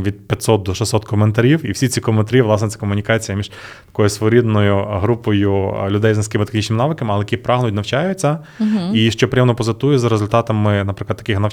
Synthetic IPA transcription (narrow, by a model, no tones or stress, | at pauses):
ʋʲid̪̚pʲjɐt̪sɔt̪̚d̪ɔʃesɔt̪kɔment̪ɐɾʲiwiwsʲit͡sʲikɔment̪ɐɾʲiʋlˠɑsnɛt̪ɛ̥kɔmʊnʲikɑt͡sʲijɐmʲiʒ̥ | t̪ɐ̥kɔjʊsʋɔɾʲid̪nɔjʊɦɾupɔjʊlʲʊd̪ɛjznɐsʲkɪmɪt̪exnʲit͡ʃnmɪnɑʋɪkɐmɪɐlˠɛjɐkʲipɾɑɦnʊjtʲnɐwt͡ʃajʊt͡sʲːɐ | iʃt͡ʃɔpɾʲɪjɛmnɔpɔzɐt̪ujɛzɐɾezʊlʲt̪ɑt̪ɐmɪnɐpɾɪklˠɐd̪t̪ːɐkɪxnɐ